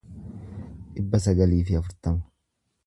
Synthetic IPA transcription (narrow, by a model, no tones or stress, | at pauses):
ᶑɪbːɐsɐɡɐliːfɪɐfʊɾt̪ɐmɐ̥